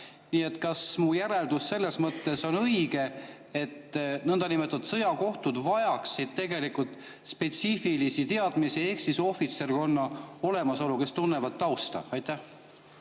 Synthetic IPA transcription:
niːe̞t̪ːˑkɑsmujæɾe̞ld̪̥usːe̞lːe̞smɤt̪ːe̞so̞nɤjɡ̥e̞ | e̞t̪nɤnd̪̥ɑnimet̪ːˑɑt̪sɤ̞jɑko̞ht̪ud̪vɑjɑksid̪̥̚t̪e̞ɡe̞likult̪ˑ | spe̞t̪sifilisit̪e̞ɑd̪̥misie̞ksiso̞fit̪se̞rko̞nːɑo̞le̞mɑso̞luke̞st̪unːevɑd̪̚t̪ːɑwst̪ɑ̰ɑjt̪ːæh

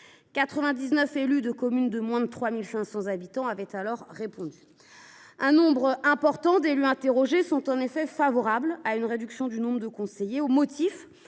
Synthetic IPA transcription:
kat̪χəvɛ̃d̪iznœfelyd̪əkɔmynd̪əmwɛ̃d̪ət̪χwamilsɛ̃sɑ̃zabit̪ɑ̃avɛt̪alɔʁːepɔ̃d̪y | ɛ̃nɔ̃bʁɛ̃pɔʁt̪ɑ̃d̪elyɛ̃t̪eʁɔʒesɔ̃t̪ɑ̃nefɛfavɔʁablaynʁed̪yksjɔ̃d̪ynɔ̃bʁəd̪əkɔ̃sejeomɔt̪ʰif

